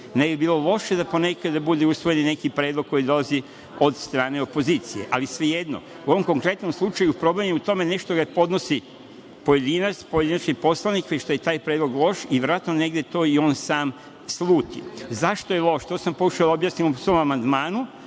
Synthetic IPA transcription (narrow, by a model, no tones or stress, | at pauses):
nebibiːlo̞lo̞ʃed̪apo̞ne̞kad̪abud̪eusʋoje̞ninekipɾed̪lˠoɡko̞jid̪o̞lazi | o̞d̪st̪ɾaːne̞o̞po̞zit̪sije̞̰ʔalisʋeje̞d̪no̰ | uo̞ʋomko̞ŋkɾe̞t̪no̞mslˠut͡ʃajupɾo̞blemuut̪o̞me̞ne̞ʃt̪o̞ɡapo̞d̪no̞si | po̞je̞d̪inat̪spojed̪inat͡ʃkipo̞slˠanikʋet͡ʃʃt̪ojet̪aːjpɾed̪lo̞ɡlˠo̞ʃiʋɾʋat̪none̞ɡd̪et̪o̞ːio̞ːnsaːm | slˠuːt̪ḭzaʃt̪ojelˠo̞ʃt̪o̞ːsampokuʃaod̪aobjaːsnimusʋo̞mamand̪maːnu